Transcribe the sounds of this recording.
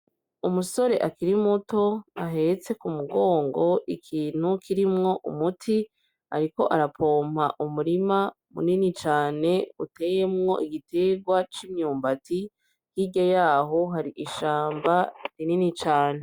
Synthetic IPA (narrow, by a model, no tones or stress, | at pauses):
umuso̞ɾe̞ʔakiɾimuto̞aɦe̞t͡se̞kumuɡo̞ːŋɡo̞ʔikʰiːn̥hukʰiɾimŋo̞ʔṵmutʰi | a̰ɾiko̞ʔaɾapʰo̞ːm̥haʔumuɾima | mṵninit͡ʃaːne̞ute̞ːjemŋo̞̰ʔiɡite̞ɡwat͡ʃimɲuːmbatʰi | jiɟojaːɦo̞ɦaɾiʔiʃaːmbaɾininit͡ʃaːne